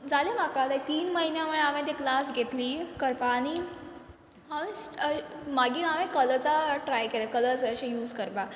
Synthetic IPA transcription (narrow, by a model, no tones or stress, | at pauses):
d͡zalem̤akat̪ait̪iːnməɦinjamuɭeaʋẽt̪eklasɡʱet̪liːkəɾpaːɽ̃i | aʋẽsəmaɡiːaʋẽkəlt͡saʈɾajkelekələt͡səɕejuːd͡zkəɾpa